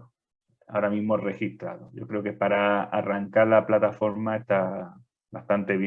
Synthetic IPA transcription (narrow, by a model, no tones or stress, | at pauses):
a̰oɾamĩzmo̞re̞xist̪ɾa̰ðoʝo̞̰kɾe̞o̞ke̞paɾaa̰raŋkaɾlaplat̪afo̞ɾmae̞st̪a | bast̪ant̪e̞βj